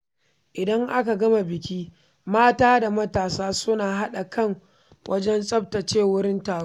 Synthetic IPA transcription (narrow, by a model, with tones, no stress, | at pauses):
ʔɪ˨dɐ˦ŋʔa˦ka˨ɡɐ˦ma˨bɪ˨kʲiː˦ | maː˦taː˦da˨mɐ˦taː˨saː˦sʊ˦naː˨ɦa˦ɗa˨kɐ˦˨ŋ | wʔɐ˦d͡ʒɛ˦nsʼɐ˦p̚tɐ˨t͡ʃeː˦˨wʊ˦ɽɪ˦ntaː˨ɽ